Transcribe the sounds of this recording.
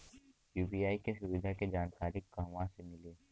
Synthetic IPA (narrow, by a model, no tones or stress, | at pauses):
juːbijaːikeʃʊʋɪd̪ʱaked͡ʒaːnkaːɾɪkːɐɦʋãsemɪleː